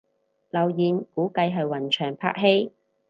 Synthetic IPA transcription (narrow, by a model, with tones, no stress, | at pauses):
lɐ˨˩wjiː˨nkuː˨˥kɐ˧jɦɐ˨jwɐ˨˩nt͡ʃʰœː˨˩ŋpʰa̰ː˥k̚ɦe˥j